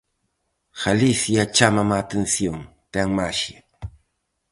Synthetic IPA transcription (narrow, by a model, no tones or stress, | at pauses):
xalisjat͡ʃamamat̪ensjoŋ | t̪aŋmaʃa